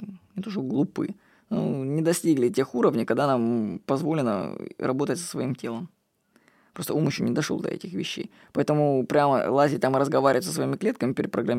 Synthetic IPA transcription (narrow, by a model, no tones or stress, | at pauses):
nʲɪt̪oʐəɡlˠʊpɨ̰ | nṵnʲɪd̪ɐsʲtʲiɡlʲɪtʲe̞xuɾəvnʲɪkɐɡ̚d̪anampɐzvo̞lʲɪnə̰ɾɐbo̞t̪ətʲsə̥svɐimtʲe̞lˠəm | pɾo̞st̪əumʊɕʊnʲɪd̪ɐʂo̰lˠd̪ɐ̰ɛ̰tʲɪxvʲɪɕːḛj | pɐɛt̪əmʊpɾʲamə̰lˠazʲɪt̪amɨɾəzɡɐvaɾʲɪvətʲsəsvɐimʲɪklʲe̞t̪̚kəmʲɪpʲɪɾʲɪt̪pɾəɡɾɐmʲ